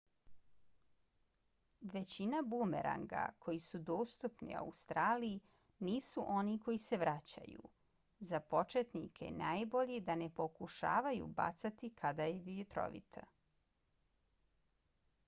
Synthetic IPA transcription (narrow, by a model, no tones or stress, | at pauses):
ʋe̞t͡ɕinabumḛɾa̰ŋɡa̰kʰo̞jisud̪oːst̪upnḭa̰ust̪ɾaːliː | niːsuʔo̞niko̞jise̞ʋɾat͡ɕa̰jṵ | zapo̞t͡ʃet̪nikʰḛnaːjbo̞ʎid̪ane̞po̞kuʃa̰ːʋajṵba̰t̪sat̪ikʰad̪ajeʋijut̪ɾo̰ʋḭt̪ʰa̰